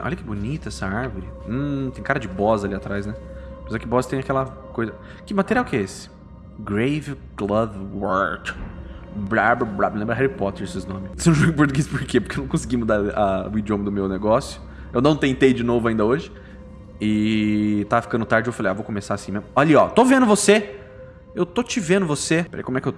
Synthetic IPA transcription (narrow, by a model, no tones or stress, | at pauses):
ʔɔ̰ʎɐkɪbʊnit̪ɐɛsɐaɾvʊɾɪ̃t̪ẽj̃kaɾɐd͡ʒɪbɔzɐaliat̪ɾajznɛmɐjzɔkɪbɔzt̪ẽj̃akɛlɐ | kojzɐ | kɪmat̪eɾiawkɛesɪ̥ | ɡɾejvɪ | ɡ̥lɐvwɔɾt̪ | bɾabbɾablẽmbɾɐɦɛɾipɔt̪eɾsɪsnõmɪsẽũʒõɡiĩpoɾt̪uɡejspoɾkepoɾkewnɐ̃kõsɪɡimud̪aɾɐʊid͡ʒiõmɐd̪ʊmewneɡɔsjʊ̥ | ewnɐ̃w̃t̪ẽnt̪ejd͡ʒɪnovʊaĩd̪ɐoʒɪ | ɪ | t̪aɐfi̥kɐ̃nd̪ʊt̪aɾd͡ʒɪeewfalejavowkõmesasĩmẽmʊɔʎiɔt̪ovẽnd̪ʊvose | ewt̪ot͡ʃɪvẽnd̪ʊvosepeɾḛjkomwɛkewt